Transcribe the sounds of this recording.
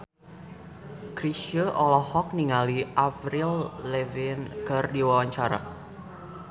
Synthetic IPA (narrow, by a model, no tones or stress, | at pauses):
kɾiʃəʔɔlɔhɔk̚niŋaliʔafɾilːevɪnkərdiwawaɲt͡ʃaɾa̰